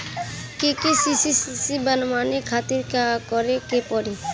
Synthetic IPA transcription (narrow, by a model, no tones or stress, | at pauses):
kekesisisisibənmaːnekʰaːt̪ɪɾkakɔɾekepɔɾi